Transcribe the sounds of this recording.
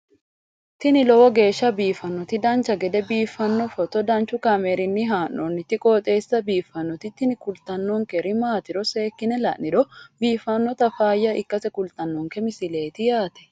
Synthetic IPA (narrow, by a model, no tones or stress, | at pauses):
t̪ɪnɪlɔwɔɡeːʃːɐbiːfɐnːɔt̪ɪd̪ɐnt͡ʃɐɡɛd̪ɛbiːfːɐnːɔfɔt̪ɔd̪ɐnt͡ʃʊkɐmeɾɪnːɪɦaːnːɔnːɪt̪ːɪkʼɔːt̪ʼeːsːɐbiːfːɐnːɔt̪ɪt̪ːɪnɪkʊlt̪ɐnːɔŋkɛɾɪmaːt̪ɪɾɔse̞ːkːɪnɛlɐ̰ʔnɪᶑɔbiːfɐnːɔt̪ɐfaːjːɐʔɪkːɐsɛkʊlt̪ɐnːɔŋkɛmɪsɪle̞ːt̪ɪjaːt̪ɛ̥